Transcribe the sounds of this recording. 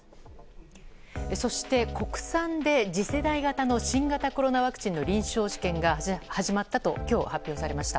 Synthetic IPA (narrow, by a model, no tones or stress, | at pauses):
eso̞ɕi̥t̪e̞ko̞kɯ̟̥sãnd̪e̞d͡ʑise̞d̪aiɡat̪ano̞ɕĩŋɡat̪ako̞ɾo̞naβakɯ̟̥t͡ɕĩnːo̞ɾʲĩɰ̃ɕo̞ːʑi̥kẽ̞ŋɡahaʑimat̪ːat̪o̞kʲo̞ːhapʲːjo̞ːsaɾe̞maɕi̥t̪a